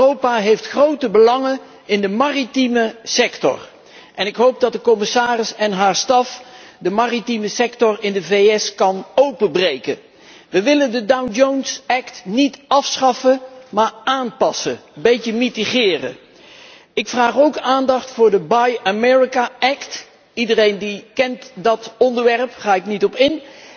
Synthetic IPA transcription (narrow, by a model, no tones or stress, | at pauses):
owpaɦejftχrowtəbəlɑŋə | ɪndəmaːritiməsɛktɔ̰r | ʔɛnɪkɦowp̚dɑt̚dəkɔmɪsaːrɪsɛnɦaːɹstɑfdəmaːritiməsɛktɔrɪndəvejɛskɑnowpəbrejkə̰ | ʋəʋɪləndədawnd͡ʒownsɛktnitɑfsχɑfəmaːɹaːnpɑsəbejtəmitiχɪːrə̰ | ɪkfraːχowkaːndɑχtfʊːɹdəbajamɛːɹikaɛkt | idərejndikɛntdɑtɔndəɹʋɛrpχaːɪknitɔpɪn